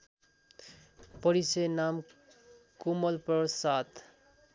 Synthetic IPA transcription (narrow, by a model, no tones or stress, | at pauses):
pʌɾisenam | kumʌlpʌsat̪